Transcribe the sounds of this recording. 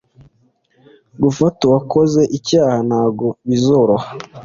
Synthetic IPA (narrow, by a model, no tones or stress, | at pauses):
ɡufatowakʰoze̞ʔicaːhanhaːɡoβizoɾoha